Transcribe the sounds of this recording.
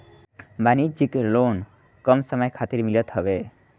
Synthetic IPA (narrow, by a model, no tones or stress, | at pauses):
banid͡ʒikelon | kʌmsəmʌjkʰat̪iɾmilʌt̪ɦʌbe